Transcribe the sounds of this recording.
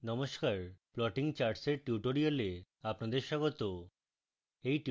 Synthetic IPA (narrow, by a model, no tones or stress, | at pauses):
nɔmoʃkaɾplɔʈiŋt͡ɕaɾʈseɾʈuʈoɾiole | apnad̪eɾʃɔɡot̪o | ejʈ